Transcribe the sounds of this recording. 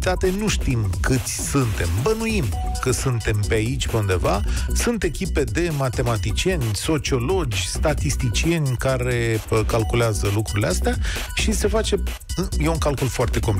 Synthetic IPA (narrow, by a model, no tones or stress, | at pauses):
t̪at̪e̞nuʃt̪imkɨt̪sʲsunt̪e̞mbənujim | kəsunt̪e̞mpeait͡ʃʲpe̞und̪e̞vasunt̪e̞kʲipe̞d̪e̞mat̪e̞mat̪it͡ʃie̞nʲso̞t͡ʃio̞lo̞d͡ʒʲst̪at̪ist̪it͡ʃie̞nʲkaɾe̞kalkuleazəlukɾuɾileast̪eaʃise̞fat͡ʃe̞ | ɨjeuŋkalkulfoart̪e̞ko̞mp